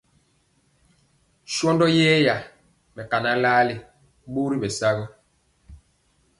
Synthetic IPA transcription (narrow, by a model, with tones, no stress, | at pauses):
ʃwɔ˦ndɔ˦jɛː˦ja˨ | mɛ˨ka˨na˦laː˦li˨ | ɓo˦ɾi˦ɓɛ˨sa˦ɣɔ˦